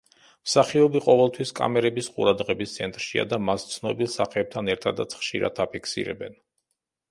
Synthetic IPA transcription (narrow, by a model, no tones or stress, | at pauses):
msaχiɔbiqʼɔvɛlˠt̪ʰwiskʼa̰mɛɾɛbisqʼṵɾad̪ʁɛbist̪sʰɛnt̪ʼɾʃia̰d̪amast̪sʰnɔbilˠsaχɛːb̚t̪ʰanɛɾt̪ʰad̪a̰t̪sʰχʃḭɾa̰t̪ʰapʰikʰsḭɾɛ̰bɛ̰n